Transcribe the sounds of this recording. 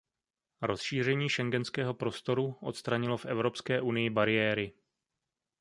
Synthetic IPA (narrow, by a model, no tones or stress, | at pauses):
ɾo̞sʃiːr̝ɛɲiːʃɛŋɡɛnskɛːɦo̞pɾo̞st̪o̞ɾuʔo̞̰t̪st̪ɾaɲɪlo̞fʔɛvɾo̞pskɛːʔunɪjɪbaɾɪjɛːɾɪ